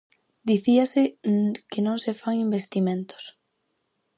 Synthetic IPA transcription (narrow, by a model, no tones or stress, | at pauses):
d̪iθiasɪkɪnõŋsefaŋimbest̪imẽnt̪o̥s